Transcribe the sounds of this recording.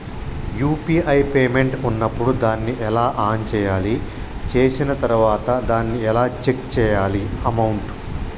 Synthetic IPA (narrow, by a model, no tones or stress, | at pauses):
juːpiːɐjpeːme̞ɳʈunːɐpːuɽud̪aːnːiʔɛlaːʔaːnt͡ʃɛːjaːli | t͡ʃeːsinɐt̪ɐɾuʋaːt̪ɐd̪aːnːiɛlaːt͡ʃe̞kt͡ʃɛːjaːliɐmɐwɳʈ